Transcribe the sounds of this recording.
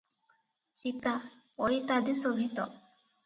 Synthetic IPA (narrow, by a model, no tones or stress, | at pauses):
t͡ʃit̪aojt̪ad̪isobʱit̪ɔ̰